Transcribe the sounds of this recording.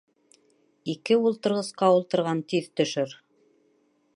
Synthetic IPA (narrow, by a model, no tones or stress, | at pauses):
ikɘulˠt̪ɤ̆ɾʁɤ̆sqɑulˠt̪ɤ̆ɾʁɑnt̪iðt̪ɵ̆ʃɵɾ